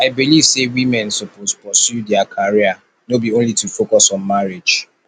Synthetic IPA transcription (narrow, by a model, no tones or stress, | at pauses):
aɪbiliv̥sewimɛ̃nsopozpɔsjudɛakʰaɹia | nobiõnlitufokɔsɔ̃nmaɹed͡ʒ